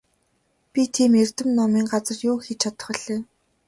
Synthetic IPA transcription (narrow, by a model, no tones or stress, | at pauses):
pʲit̪ʰiːmer̥ʲt̪ɘ̆mnɔmiːŋɢat͡sə̆rjʊːxet͡ɕʰat̪ə̆χɞ̆ɮeː